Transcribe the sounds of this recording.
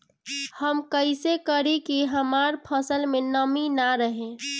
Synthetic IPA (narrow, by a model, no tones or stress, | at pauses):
həmkəɪsekəɾekiɦəmaɾpʰəsəlmenəminaɾəɦẽ